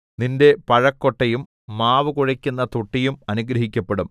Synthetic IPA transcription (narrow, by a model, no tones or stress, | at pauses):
ninde̞pɐɻɐkːoʈːɐjumː | aːʋɨkuɻɐkʲːunːɐt̪uʈːijumɐnuɡɾɐɦikʲːɐpːeɽum